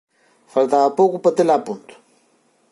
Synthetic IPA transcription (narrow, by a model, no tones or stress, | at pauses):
fɐlt̪aapokupɐt̪ɪlaːpunt̪u̥